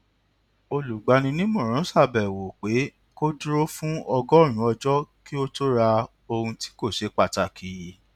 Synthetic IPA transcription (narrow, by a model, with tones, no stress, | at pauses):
o˧lu˨ɡ͡ba˧nĩ˧nĩ˦mɔ̃˦˨ɾ̃ã˨˦sa˦˨bɛ˨wo˨k͡pe˨˦ | ko˦du˦ɾo˦fũ˦ɔ˧ɡɔ˦˨ɾ̃ũ˨˦ɔ˧d͡ʒɔ˦ki˦o˦to˦ɾa˧ | o˧hũ˧ti̥˦ko˦˨ʃe˨˦k͡pa˦˨ta˨kʰi˨ji˨